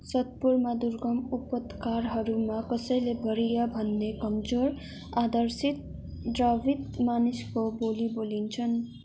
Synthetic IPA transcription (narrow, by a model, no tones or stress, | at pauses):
sʌt̪̚puɾmad̪uɾɡʌmupət̪kaɾɦʌɾumakʌsʌjlebʱʌɾijabʱʌnːekʌmd͡zoɾ | ad̪ʌɾsit̪̚ | ɖɾaʋit̪maniskobolibolint͡sʰʌn